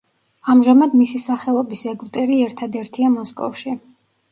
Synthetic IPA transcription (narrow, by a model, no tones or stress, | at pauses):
amʒamad̪misisaχɛlˠɔbisɛɡvt̪ʼɛɾiɛɾt̪ʰad̪ɛɾt̪ʰiamɔskʼɔ̰fʃi